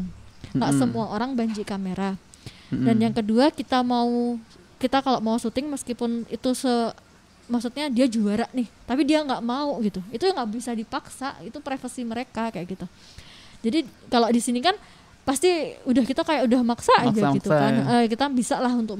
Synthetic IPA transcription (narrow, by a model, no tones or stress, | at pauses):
ŋɡaʔsəmuaʔoɾaŋbaɲd͡ʒiʔkameɾa | danjaŋkəduakit̪amau | kit̪akaloʔmausut̪ɪŋməskipʊnit̪usə | maksut̪̚ɲadiad͡ʒuaɾaʔnɪht̪apidiaŋɡaʔmauɡit̪uit̪uaŋɡaʔbisadipaksa̰ʔit̪upɾefənsiməɾekakajaʔkit̪a | d͡ʒadikalodisinikan | past̪iudahkit̪akajaʔudahmaksaːd͡ʒaɡit̪ukanəkit̪abisaʔlaɦunt̪ʊk̚